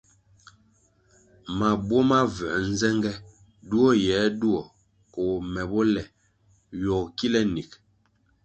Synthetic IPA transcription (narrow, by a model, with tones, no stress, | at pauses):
ma˨bwɔ˦ma˦vɛ˨n̩˦zɛ˦ŋɡɛ˦ | du˦ɔ˦jɛː˨˦du˦ɔ˨ | ko˨mɛ˨bɔ˦lɛ˨ | jɔ˨kki˦lɛ˦ni˨k